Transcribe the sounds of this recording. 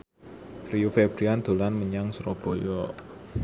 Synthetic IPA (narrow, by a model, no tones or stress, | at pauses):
riufeb̥ɾiand̪̥o̤lanməɲaŋsɾɔb̥o̤jɔ